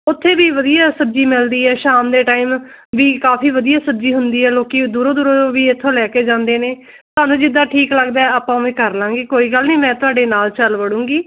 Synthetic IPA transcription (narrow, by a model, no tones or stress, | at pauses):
ʊt̪ʰːeːʋiːʋəd̪ijaːsəd͡ʒiːmɪld̪iːɦɛːʃaːmd̪eːʈaːiːm | ʋiːkaːpʰiːʋəd̪ijaːsətd͡ʒiːɦʊnd̪iːɦɛːloːkiːd̪uːɾoːd̪uːɾoːoːʋiːɪt̪ʰːõːlɛːkeːd͡ʒãːnd̪eːneː | t̪oʊɦaːnũːd͡ʒɪd̪ːaːʈʰiːkləɡd̪aːɛaːpãːmɛ̃ːkəɾlãːŋɡiːkoːiːɡəlnĩːmɛ̃ːt̪ʊaːɖeːnaːlt͡ʃəlʋəɽũːŋɡiː